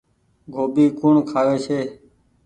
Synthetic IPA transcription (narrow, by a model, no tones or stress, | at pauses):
ɡʱoːbiːkuːɳkʰaːʋeːseː